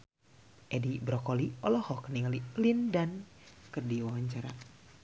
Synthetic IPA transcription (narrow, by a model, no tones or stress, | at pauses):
ʔɛdibɾɔkɔliɔlɔhɔkəniŋalilindankərdiwawaɲt͡ʃaɾa̰